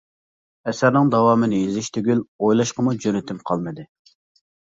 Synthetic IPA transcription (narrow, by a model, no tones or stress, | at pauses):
ɛsæɾnɨŋd̪ɑwɑːmɨnɪizɪʃt̪ʰyɡʲylojlˠɑʃqəmud͡ʒønɪt̪ʰɪmqʰɑlˠmɨd̪ɨ